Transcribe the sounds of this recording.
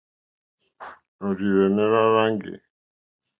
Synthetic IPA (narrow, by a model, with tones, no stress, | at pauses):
nɔ˨ɾi˨ɾɛ˨nɛ˦ɾa˦ɾa˦ŋɡɪ̰˨